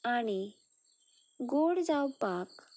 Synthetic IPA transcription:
aɽ̃i | ɡoɽd͡zawpak

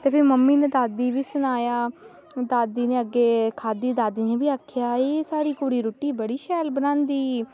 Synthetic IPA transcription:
t̪eːpʰɪɾməmːiːned̪aːd̪iːʋiːsʊnaːjaː | d̪aːd̪iːnẽːəɡːeːkʰaːd̪iːd̪aːd̪iːnẽːbiːaːkʰɪjaːeːsaːɽiːkoːɽiːɾoːʈiːbəɽiːʃɛːlbənãːnd̪iː

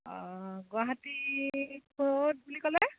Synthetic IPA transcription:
ɔɡwaɦati | bot̚bulikɔlɛ

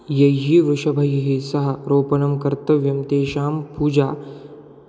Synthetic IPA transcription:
jɐɦiːʋɾuʂɐbʱɐjɐɦiːsɐɦɐ̆ɾoːpɐnɐmkɐɾt̪ɐʋjɐmt̪eːʃaːmpuːd͡ʒaː

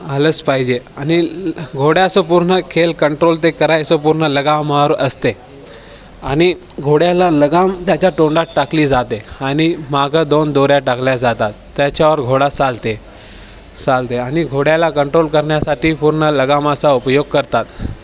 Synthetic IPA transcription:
alət͡spaɦid͡ʑeaniɡʱoɽjasəpuɾɳəkʰelkəɳʈɾolt̪̬ekəɾajsopuɾɳələɡamaɾəst̪e | añi | ɡʱoɽjalaləɡamt̪jat͡ɕaʈoɳɖaʈakliːd͡zat̪eañimaɡʱəd̪ond̪oɾjaʈakljad͡zat̪at̪ːjat͡ɕaʋəɾɡʱoɽat͡salt̪e | t͡salt̪eañiɡʱoɽjalakəɳʈɾolkəɾɳjasaʈiːpuɾɳələɡaməsaupəjoɡ̚kəɾt̪at̪

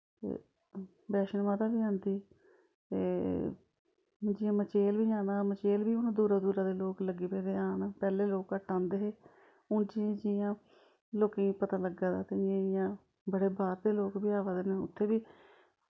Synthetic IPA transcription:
t̪ḛː | bɛːʃənmãːt̪aːbiːãːnd̪iː | eː | d͡ʒɪːãːmət͡ʃeːlbiːaːnaːmət͡ʃeːlbiːʊnãːd̪uːɾaːd̪uːɾãːd̪eːloːkləɡeːpeːd̪eːaːnaːpɛːleːloːkəʈãːnd̪eːɦeː | ʊnd͡ʒiãːd͡ʒɪjãː | loːkẽːpət̪aːləɡãːd̪aːt̪ẽːɪjãː | bəɽeːbaːɾd̪eːloːkbiːaːʋaːd̪eːnaːʊ̰t̪ʰːeːbiː

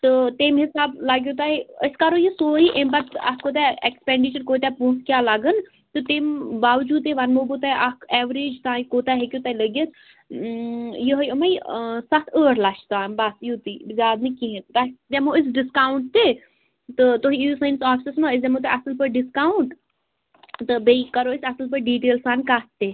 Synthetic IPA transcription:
t̪ɨt̪eːmɦɪsaːblaːɡʲjoːt̪aːiəskaːɾojəsoːɦiʔembɐt̪ɐ̰koːt̪̬aɛkspẽɳɖit͡ʃəɾkoːt̪apũːt̪ʰkʲjaːlaɡən | t̪ɨt̪eːmbaːʋd͡ʒuːd̪̚eʋɐnmoːbot̪aːʔakɛːʋɾeːd͡ʒt̪aːĩkoːt̪aɦekʲjoːt̪aːiləɡət̪ | jəɦəjəməjsɐt̪ʰəːɾlɐʃʰt̪aːmbasjuːt̪iːzʲjaːd̪̚nikiɦẽt̪t̪ɐd͡ʒɛmoɪs̬ɖɪskaːwɳʈ̚t̪eː | t̪ɨt̪oɦĩisɐnsaːfʰsismoːɪs̬d͡ʒɛmõːt̪̬eɐsəlpəɾɖɪskaːwuɳʈ | t̪ɨbeikɐɾoːɪsɐsəlpəɾɖiːʈeːlsaːnkat̪ːeː

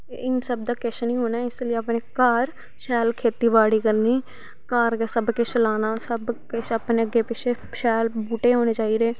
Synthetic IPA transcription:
ʔɪnsəbd̪aːkeʃnĩːɦoːnaːɪslːapneːkaːɾ | ʃɛːlkʰeːt̪iːbaːɽiːkəɾniː | kaːɾkesəbkɪt͡ʃlaːnaːsəbkɪt͡ʃəpneːəɡeːpɪt͡ʃʰeː | ʃɛːlbuːʈeːɦoːneːt͡ʃaːiːd̪eː

